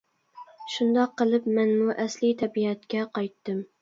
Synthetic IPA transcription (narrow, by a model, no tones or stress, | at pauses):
ʃund̪ɑqːəlˠɨpmɛnmuʔæslit̪ʰɛbiɛt̪kʲɛqɑjt̪ːɨm